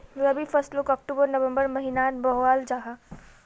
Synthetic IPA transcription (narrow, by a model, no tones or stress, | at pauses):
joɐbʱifɐɾsʈlʊkɔːk̚ʈubəɾnɐʋə̃mbəɾmɐɦinaːnbɔɦaːld͡ʒaːɦa